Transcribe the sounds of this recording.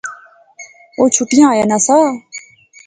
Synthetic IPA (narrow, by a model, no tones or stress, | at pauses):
oːt͡ʃʰuʈɪjãːjaːnãːsaː